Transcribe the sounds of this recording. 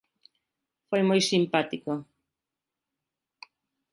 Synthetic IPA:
fojmojsimpat̪iko

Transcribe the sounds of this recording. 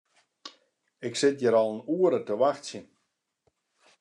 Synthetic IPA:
ɪksɪt̚jəɾɔlˠənuəɾətəʋaxtsjən

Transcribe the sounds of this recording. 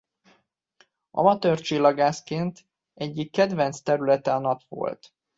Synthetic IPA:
ʔɒ̰mɒt̪ørt͡ʃilːɒɡaːskeːnt̪ | ɛɟːikːɛd̪vɛnt̪st̪ɛɾylɛt̪ɛɒnɒpʋo̞̰lt̪

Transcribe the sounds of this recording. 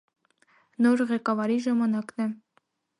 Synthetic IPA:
norʁʲekɑvɑɾiʒemɑnɑknɘ̆

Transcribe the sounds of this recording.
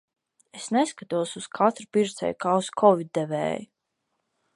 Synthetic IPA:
esneskat̪uɔsuskʰat̪ɾpiɾt̪sɛ̰jkaːuskʰɔvid̪̚ɛvɛ̰ːju

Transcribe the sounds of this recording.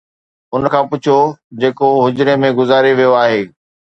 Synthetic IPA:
ʊnəkʰãːpʊt͡ɕʰod͡ʑeːkoɦʊd͡ʑʊɾemẽɡʊzaːɾeʋijoaːɦeː

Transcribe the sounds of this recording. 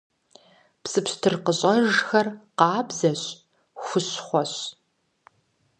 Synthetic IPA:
psɨpɕtʰɨrqəɕʼɐʒxɐrqɑːbzɐɕ | xʷʊɕχʷɔɕ

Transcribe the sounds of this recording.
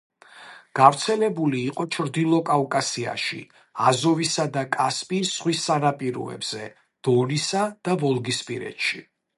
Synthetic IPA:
ɡ̥avɾt̪sʰɛlɛbuliːqʼɔt͡ʃʰɾd̪ilˠɔkʼavkʼasia̰ʃḭ | azɔvisad̪akʼaspʼisʁwisanapʼiɾɔ̰ɛ̰bz̥ɛ | d̪̥ɔnisad̪̥avɔlˠɡispʼiɾɛ̰t̪ʃi

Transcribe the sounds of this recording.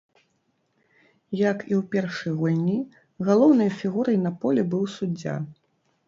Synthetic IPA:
jɐkiwpʲɛrʂɨjɣulʲnʲi | ɣalˠɔwnɐjfʲiɣuɾɐjnɐpɔlʲɛbɨwsud͡zʲːa̰

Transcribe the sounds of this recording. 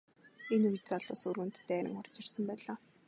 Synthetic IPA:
enujt̪t͡saɮʊ̰ːsurɣɘ̆nt̪ːæːɾə̰̆ŋχʊr̥t͡ɕɪ̆rsə̆mpæːɮaː

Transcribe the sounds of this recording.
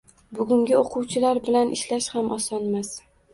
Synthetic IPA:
bʊɡʊŋɡʲɪoqʰʊwt͡ʃʰɪlaɾbɪlanʔɪʃlaʃhamʔɒsɒnmas

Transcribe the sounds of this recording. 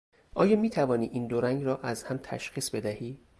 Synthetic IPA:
ʔɒːjɒːmiːt̪ʰævɒːniːʔiːnd̪oɾæŋɡɾɒːʔæzhæmt̪ʰæ̰ʃxiːsbe̞d̪æhiː

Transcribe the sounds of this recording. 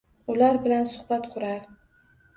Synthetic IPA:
ʊlaɾbɪlansʊhbat̪qʰʊɾaɾ

